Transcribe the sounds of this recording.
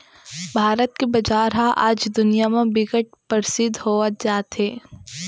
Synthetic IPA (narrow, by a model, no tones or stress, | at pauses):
bʱaːɾət̪̚kebɐd͡ʒaːɾɦaʔa̰ːd͡ʒd̪ʊnijamẽbɪɡəʈ̚pəɾsɪd̪ʱɦoːət̪̚d͡ʒaːt̪ɦeː